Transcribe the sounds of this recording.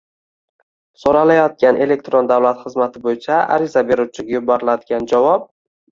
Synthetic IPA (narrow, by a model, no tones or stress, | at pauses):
soɾalajɒt̪̚ɡʲanʔe̞le̞k̚t̪ɾond̪awlat̪χɨzmat̪ʰɪbojɪt͡ʃʰaa̰ɾɪzabe̞ɾuwt͡ʃʰɪɡʲajʊbɒɾɪlad̪ɪɡʲand͡ʒavɒp̚